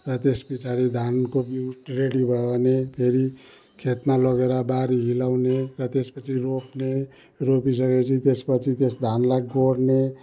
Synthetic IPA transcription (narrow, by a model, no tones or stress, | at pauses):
rʌt̪esbit͡sʰaɾid̪ʱankobiuʈreɽibʱʌonepʰeɾi | kʰet̪malʌɡeɾʌbaɾiɦilawnerʌt̪espʌt͡sʰiropne | ropis̬ʌɡet͡sʰit̪espʌt͡sʰit̪esd̪ʱanlajɡoɽne